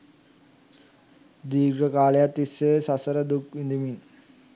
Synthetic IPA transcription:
d̪iːɾɡəkaːlejat̪ːisːeːsasəɾəd̪ukʋind̪imin

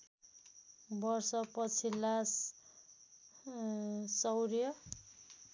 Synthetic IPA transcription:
bʌrsʌpʌt͡sʰilːas | sʌwɾjʌ

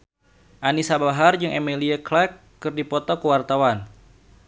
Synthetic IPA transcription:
ʔanisabaɦard͡ʒɨŋʔemilieklɛkːɨrdipɔt̪ɔkəwart̪awan

